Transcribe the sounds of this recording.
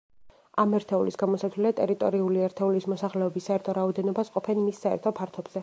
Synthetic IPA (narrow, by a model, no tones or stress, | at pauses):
amɛɾt̪ʰɛulisɡamɔsat̪ʰlɛlɛt̪ʼɛɾit̪ʼɔ̰ɾiuliɛɾt̪ʰɛulismɔsaχlɛɔbisːaɛɾt̪ʰɔɾaɔd̪ɛnɔbasqʼɔpʰɛnmisːaɛ̰ɾt̪ʰɔpʰaɾt̪ʰɔbz̥ɛ